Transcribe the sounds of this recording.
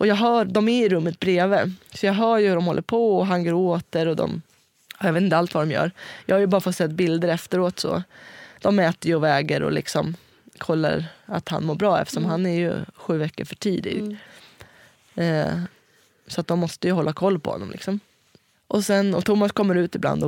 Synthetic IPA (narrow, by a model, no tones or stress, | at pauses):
ʔɔjɑːɡɦœːɾd̪ɔmæɪɾɵmːət̪̚bɾeːvəsɔjɑːɡɦœːɾjɵhɵɾɔmhɔlːəɾpʰɔɔɦanɡoːɾoːt̪əɾɔd̪ɔ̰m | jɑveːt̪nt̪əalt̪vad̪ɔmjœ̰ːɾjɑɡhaɾjɵbɑːɾafɔt̪ːsɛt̪ːbɪld̪əɾɛft̪əɾoːt̪sɔ̰d̪̥ɔmːɛːt̪əɾjɵɔvɛːɡəɾɔ̰lɪ̰ksɔ̰m | kʰɔlːa̰ɾa̰t̪ha̰nmoːɾbɾɑːɛ̰ft̪əʂɔmɦanːæɾjɵ̰ɧʉ̟ːvɛkːəɾfœʈʰiːd̪ɪ̰ɡ | sɔat̪̚d̪ɔmːɔst̪əjɵɦɔlːakʰɔlːpʰɔ̰hɔ̰nːɔ̰mlɪksɔm | ʔɔsɛnɔt̪ʰʊmːaskʰɔmːəɾʉ̟ːt̪ɪbla̰nd̪ɔ